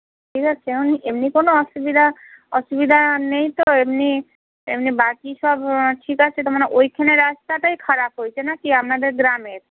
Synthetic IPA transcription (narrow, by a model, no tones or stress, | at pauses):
ʈʰikat͡ɕʰeeoniemnikonoɔʃubid̪ʱaɔʃubid̪ʱanejt̪oemni | ḛmnibakiʃɔbʈʰikat͡ɕʰet̪omaneʔojkʰeneɾast̪aʈajkʰaɾap̚ɦojt͡ɕʰenakiap̚nad̪eɾɡɾameɾ